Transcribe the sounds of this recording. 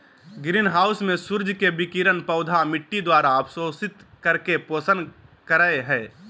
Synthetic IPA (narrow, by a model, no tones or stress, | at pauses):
ɡɾiːnɦaːʊsmẽsʊɾd͡ʒʱkebɪkiɾənpəʊd̪ʱamɪʈːid̪waːɾaəpʰsoːsɪt̪kəɾkepoːsənkəɾəeɦɛː